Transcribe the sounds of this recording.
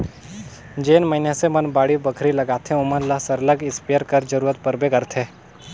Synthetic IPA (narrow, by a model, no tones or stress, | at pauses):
d͡ʒeːnmɐɦɪnjasemɐnbaːɽibəkʰɾilɐɡaːt̪ʰẽʊmənlasɐɾləɡɪspeəɾkɐɾd͡ʒɐɾuːɾət̪̚pɐɾbekəɾt̪ʰeː